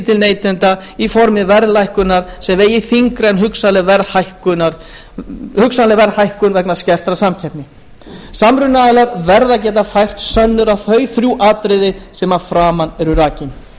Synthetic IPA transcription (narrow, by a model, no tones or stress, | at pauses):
t̪ʰɪlneːjt̪ʏnt̪aifɔɾmɪvɛɾðlajhkʏnːaɾ̥sɛmveːjɪθiŋkɾenɦʏksalɪvɛɾðhajhkʏnaɾ | hʏksalɪvɛɾhajhkʏnvɛknascɛr̥t̪ɾasamcʰɛp̪nɪ | samɾʏnːalaɾvɛɾðacɛːt̪afajr̥t̪sœnːʏɾawθœːɥθɾjuʔaːt̪ɾɪðɪsɛmafɾaːmanːɛɾʏɾaːcɪn